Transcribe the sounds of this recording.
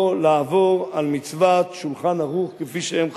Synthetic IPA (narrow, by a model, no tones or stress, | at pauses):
leavoʁalmit͡svat̪ʃulχanhaʁuχkefiʃeemχ